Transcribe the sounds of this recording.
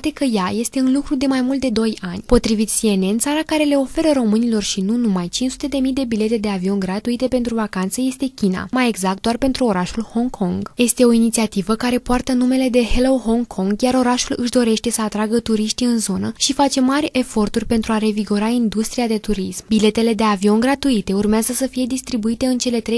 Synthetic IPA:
at̪e̞kəjaje̞st̪e̞ɨnlukɾud̪e̞majmult̪̚d̪e̞d̪o̞janʲpo̞t̪ɾivit̪sie̞ne̞nt̪saɾakaɾe̞le̞o̞fe̞ɾəɾo̞mɨnilo̞rʃinunumajt͡ʃinsu̥t̪e̞d̪e̞mijd̪e̞bile̞t̪e̞d̪e̞avio̞nɡɾat̪uit̪e̞pe̞nt̪ɾuvakant̪səje̞st̪e̞kʲina̰maje̞ɡzak̚t̪̚d̪oarpe̞nt̪ɾuo̞ɾaʃulho̞ŋkʰo̞ŋɡje̞st̪e̞o̞init̪siat̪ivəkaɾe̞poart̪ənume̞le̞d̪e̞helo̞ɦo̞ŋkʰo̞ŋɡjaɾo̞ɾaʃulɨʃd̪o̞ɾe̞ʃt̪e̞səat̪ɾaɡət̪uɾiʃt̪iɨnzo̞nəʃifat͡ʃe̞marʲe̞fo̞rt̪urʲpent̪ɾuaɾe̞viɡo̞ɾaind̪ust̪ɾiad̪e̞t̪uɾismbile̞t̪e̞le̞d̪e̞avio̞nɡɾat̪uit̪e̞urmeazəsəfije̞d̪ist̪ɾibuit̪e̞ɨnt͡ʃe̞le̞t̪ɾe

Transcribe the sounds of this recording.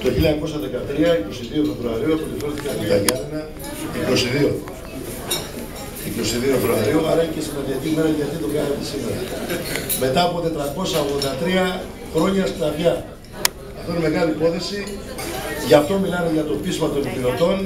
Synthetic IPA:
t̪o̞çilɐko̞sɐðe̞kɐt̪ɾiɐiko̞siðio̞fe̞vɾuɐɾioɐpot̪ifθikɐnt̪it̪ɐʝɐninɐ | iko̞siðio̞ | iko̞siðiofevɾuɐɾioɐɾɐicesimɐnd̪iɐcimeɾɐʝɐt̪it̪oɡɐnɐt̪esime̞ɾɐ̰ | me̞t̪ɐːpo̞t̪e̞t̪ɾɐko̞sɐoɣðo̞nd̪ɐt̪ɾiɐ | xɾo̞ɲɐst̪t̪ɐvʝɐ | ɐft̪oneme̞ɣɐliipo̞θe̞si | ʝɐft̪o̞milɐneʝɐt̪o̞pizmɐt̪o̞npilo̞t̪o̞n

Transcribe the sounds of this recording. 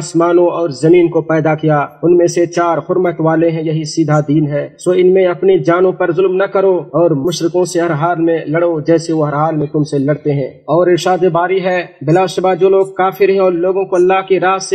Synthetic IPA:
smaːnõɔːɾzɐmiːnkopɛːd̪akijaʊnmẽset͡ʃaːɾhʊɾmət̪ʋaːleɦɛ̃jɐɦisiːd̪ʱad̪iːnɦɛːsoːɪnmẽɐpnid͡ʒaːnõpɐɾzʊlmnɐkɐɾoɔːɾmʊʃɾɪkõseɦɐɾɦaːlmẽlɐɽod͡ʒɛːseʋoɦɐɾɦaːlmẽt̪ʊmselɐɽt̪eɦɛ̃ː | ɔːɾɪɾʃaːd̪ebaːɾiɦɛːbɪlaːʃəbaːd͡ʒoːloːɡ̚kaːfʰɪɾɦɛ̃ɔːɾloːɡõkoɐlːaːɦkiɾaːse

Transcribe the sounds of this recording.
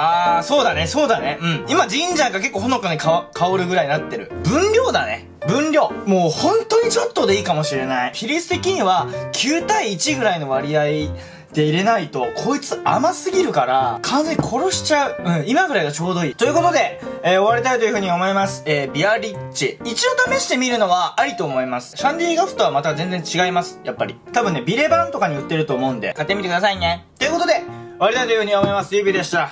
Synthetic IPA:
aːso̞ːd̪ane̞so̞ːd̪aneɯ̟̃ɴimad͡ʑĩɲd͡ʑãŋɡak̬e̞kːoːɦono̞kaɲekakʰaoɾɯ̟ɡɯ̟ɾainat̪ːe̞ɾɯ̟̰bɯ̟̃nɾʲo̞ːd̪ane̞̰ | bɯ̟̃nɾʲo̞ːmo̞ːhõ̞nt̪o̞ɲ̟it͡ɕo̞t̪ːo̞d̪e̞iːkamo̞ɕiɾe̞naiçiɾʲisɨ̥t̪e̞kʲiɲ̟iβakʲʰɨːt̪aiːt͡ɕiɡɯ̟ɾaino̞β̞aɾʲiai | d̪̥e̞iɾe̞nait̪o̞kʰo̞it͡sɨa̰masɨɡʲiɾɯ̟kaɾakʰãnzeɲikʰo̞ɾo̞ɕi̥t͡ɕaɯ̟ɯ̟̃ɴimaɡɯ̟ɾaiɡat͡ɕo̞ːd̪o̞iːt̪o̞jɯ̟ko̞t̪o̞d̪e̞eːo̞β̞aɾʲit̪ait̪ojɯ̟ɯ̟ɲ̟io̞mo̞imasɨ̥eːbʲiaɾʲit͡ɕiit͡ɕio̞t̪ame̞ɕi̥t̪e̞mʲiɾɯ̟no̞βaːɾʲit̪o̞ːmo̞imasɨ̥ɕãnɾʲiːɡaɸɯ̟̥t̪o̞β̞amat̪azẽ̞nd͡zẽ̞ɲt͡ɕiɡaimasɨ̥japːaɾʲḭt̪abɯ̟nːe̞bʲiɾe̞bãnt̪o̞kaɲ̟iɯ̟t̪ːe̞ɾɯ̟t̪o̞ːmo̞ɯ̟nd̪e̞̰kat̪ːemit̪ekd̪asaine̞t̪o̞jiɯ̟koo̞d̪e̞oaɾit̪ait̪o̞jɯ̟ɯ̟ɲomo̞imasɨjɯːbʲid̪e̞ɕi̥t̪a

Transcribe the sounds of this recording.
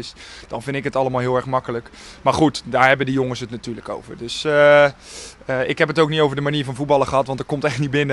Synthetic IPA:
ɪsd̥ɑnvɪndtɪkɦətɑləmaːlˠɦɪəlˠɛɹxmɑkələk | maːɹχutdaːɹɦɛbəndijoŋəsətnatyːləko̰wvərdøsə | əɪkɦɛpətowknitowvərdəmaniːvɑnvut̚bɑlˠəχəɦɑtʋɑntəɹkomtɛχtnibɪnə

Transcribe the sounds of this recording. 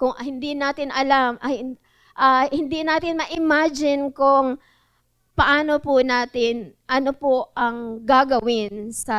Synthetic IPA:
kʊŋhɪnd̪inaːt̪ɪnʔɐlamʔɐ | ʔɐhɪnd̪inaːt̪ɪnmɐʔɪmaːd͡ʒɪnkʊŋ | pɐʔaːnopʊnaːt̪ɪnʔɐnopoʔɐŋɡaɡɐwɪnsɐ

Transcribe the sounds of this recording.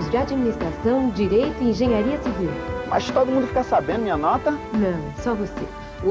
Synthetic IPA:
zd͡ʒad͡ʒminist̪ɾasɐ̃w̃d͡ʒiɾejt̪ʊɪĩʒẽɲaɾiɐsivilmast̪od̪ʊmũd̪ʊfikasabẽd̪ʊmĩɲɐnɔt̪ɐnɐ̃w̃sɔvosḛ

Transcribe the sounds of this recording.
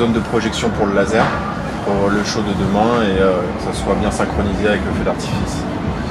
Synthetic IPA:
ond̪əpχɔʒɛksjɔ̃puʁləlazɛʁ | puləʃod̪əd̪əmɛ̃eøkəsaswabjɛ̃sɛ̃kχɔnizeavɛkləfed̪aʁt̪i̥fis

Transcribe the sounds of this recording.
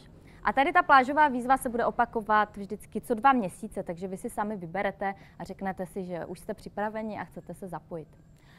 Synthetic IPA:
ʔat̪adɪt̪aplaːʒo̞vaːviːzvasɛbudɛʔo̞pako̞vat̪vʒdɪt͡skɪt͡sodvamɲɛsiːt͡sɛt̪aɡʒɛvɪsɪsamɪvɪbɛɾɛt̪ɛ | ʔar̝ɛknɛt̪ɛsɪʒɛʔuʃst̪ɛpr̥ɪpɾavɛɲɪʔa̰xt͡sɛt̪ɛsɛzapojɪt̪

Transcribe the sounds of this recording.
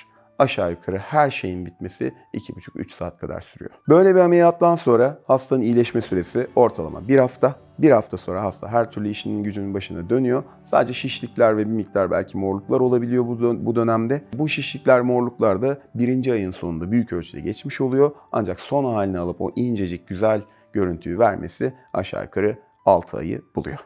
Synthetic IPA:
aʃaːjukʰaɾɯhæɾʃe̞jinbit̪̚me̞sḭ | ḭcʰibut͡ʃʰu̥ky̰t͡ʃsa̰ːt̪̚kʰad̪a̰ɾsyɾy̰jo̰bø̞jlʲebiamelʲijat̪ːanso̞nɾahast̪ʰanɯnijlʲɛʃmɛsyɾe̞sio̞ɾt̪ʰalˠa̰ma̰biɾhaft̪ʰa | biɾhaft̪ʰaso̞nɾaɦast̪ʰa̰ɦæɾt̪ʰyɾlʲyiʃininɟyd͡ʒynynbaʃɯnd̪ad̪ø̞nyjo̞ | sa̰ːd̪d͡ʒɛʃiʃlʲiclʲæɾvɛbimic̚t̪ʰaɾbæ̰lʲcʰimo̞ɾlˠuklˠaɾo̞lˠabilʲijo̞bud̪ø̞næmd̪ɛbuʃiʃlʲiclʲæɾmo̞ɾlˠuklˠaɾd̪abiɾind͡ʒiajɯnsonṵnd̪abyjycølʲt͡ʃʰyd̪ɛ̰ɟɛt͡ʃmiʃo̞lˠujo̞a̰nd͡ʒakso̞nhaːlʲinalˠɯpo̞̰ʔind͡ʒed͡ʒic̚ɟyzælʲ | ɟ̥ø̞ɾynt̪ʰyːvæɾmḛsi | a̰ʃa̰ːkʰaɾɯ | a̰lˠt̪ʰɯa̰jɯ̰b̥ulˠṵjo̞̰

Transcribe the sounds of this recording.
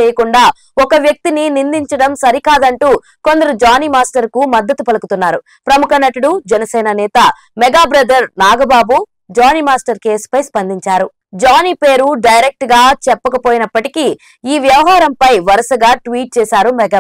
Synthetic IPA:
eːjɐkuɳɖaː | ɔkɐʋjɐk̚t̪ininind̪iɲt͡ʃɐɽɐmsɐɾikaːd̪ɐɳʈuː | ko̞nd̪ɐɾud͡ʒaːnimaːsʈɐɾkumɐd̪ːɐt̪upɐlɐkut̪unːaːɾu | pɾɐmukʰɐnɐʈuɽud͡ʒɛnɐsɛːnɐnɛːt̪ɐ | mɛɡaːbɾɐd̪ɐɾnaːɡɐbaːbu | d͡ʒaːnimaːsʈɐɾkeːspɐjspɐnd̪iɲt͡ʃaːɾu | d͡ʒaːniːpeːɾuɖɐjɾek̚ʈɡaːt͡ʃɛpːɐkɐpo̞ːjinɐpːɐʈiki | iːʋjɐʋɐɦaːɾɐmpɐjʋɐɾɐsɐɡaːʈʋiːʈ̚t͡ʃɛːsaːɾumɛɡaː

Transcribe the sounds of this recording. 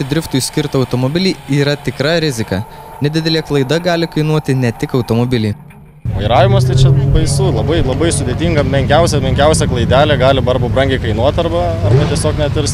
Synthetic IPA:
ɪd̪ʲɾʲɪft̪ʊjsʲkʲɪɾt̪ɐɒʊt̪omobʲɪlʲɪiːɾɐt̪ʲɪkɾɑɾʲɪzʲɪkɑ | nʲɛd̪ʲɪd̪ʲɛlʲeːklˠɐɪd̪ɐɡɑːlʲɪkɐɪnuɔt̪ʲɪnʲɛt̪ʲɪkɐʊt̪omobʲɪlʲɪː | ʋɐɪɾɑːʋʲɪmɐːst̪ɐɪt͡ʃʲɛbɐɪsulˠɐbɐɪlˠɐbɐɪsʊd̪ʲeːt̪ʲiŋɡɐmʲɛŋʲkʲɛʊsʲɛmʲɛŋʲkʲɛʊsʲɛklˠɐɪd̪ʲæːlʲeːɡɑːlʲɪbɐɾbɐbɾɐŋʲɡʲɛɪkɐɪnuɔt̪ʲɐɾbɐ | ɐɾbɐt̪ʲiɛsʲoːknʲɛt̪ʲʊɾʲsʲ

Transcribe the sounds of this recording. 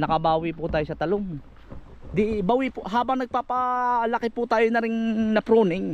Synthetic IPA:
nɐkɐbaːwɪpʊt̪aːjosɐt̪ɐloŋ | d̪ɪʔbawɪpʊʔɦaːbɐŋnɐɡ̚paːpɐlɐkɪpʊt̪aːjonɐɾɪŋnɐpɾoːnɪŋ

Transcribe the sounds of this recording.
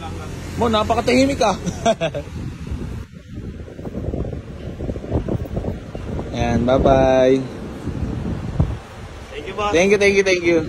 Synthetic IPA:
monaːpɐkɐt̪ɐhimɪka | janbabaj | t̪ɛŋkjut̪ɛŋkjut̪ɛŋkju

